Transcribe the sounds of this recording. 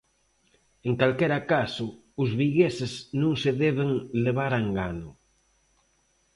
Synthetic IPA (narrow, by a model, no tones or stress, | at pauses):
eŋkalkɛɾakasʊ | ʊzβiɣesɪsnõŋseðɛβeŋleβ̞aɾaŋɡanʊ